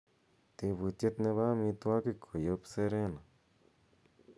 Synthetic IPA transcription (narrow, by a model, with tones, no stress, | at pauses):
t̪e˧bu˨t͡ʃe˧t̪nẽ˧βa˦mĩ˧t̪u˧a˦ki˧kʰo˨jo˧˦pse˧˦ɾe˦na˨